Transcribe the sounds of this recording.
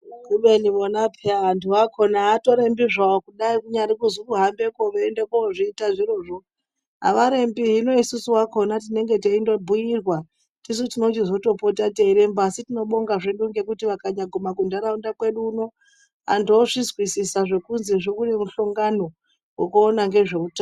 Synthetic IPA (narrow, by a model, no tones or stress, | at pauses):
ɡuɓeniʋonapʰeaantʰuʋakʰo̞naːto̞ɾembiʐaokuɗaikuɲaɾikuzukuɦambe̞ko̞ʋeːndekoʐiːtaʐiro̞ːʐo | a̰ʋaɾe̞mbiɦino̞isusuwako̞nat̬ine̞ŋɡe̞teindobʱujirwa | tis̬utino̞t͡ʃizo̞to̞po̞tate̞ːɾe̞mbasitino̞ɓo̞ŋɡaʐeɗuŋɡe̞kutiʋakaɲaɡʱomakundaɾaundakwe̞ɗuːno̞ | a̰ndoʐizwisisaʐe̞kunziʐokunemuɬoŋɡano̞ | wekuːnaŋɡe̞ʐe̞kuta